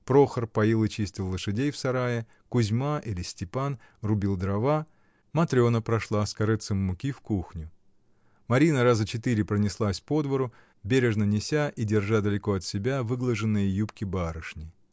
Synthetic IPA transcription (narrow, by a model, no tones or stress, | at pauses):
pɾo̞xərpɐjilˠɨt͡ɕisʲtʲɪlˠːəʂɨdʲejfsɐɾajɪ | kʊzʲmaʔilʲɪsʲtʲɪpan | rʊbʲilˠd̪ɾɐva | mɐt̪ɾʲo̞nəpɾɐʂlˠaskɐɾɨt̪sɨmːʊkʲifkuxnʲʊ | mɐɾʲinəɾazət͡ɕɪt̪ɨɾʲɪpɾənʲɪslˠasʲpo̞d̪vəɾʊ | bʲeɾʲɪʐnənʲɪsʲaʔidʲɪrʐad̪əlʲɪko̞ɐt̪sʲɪbʲavɨɡlˠəʐɨnːɨjəjupkʲɪbaɾɨʂnʲɪ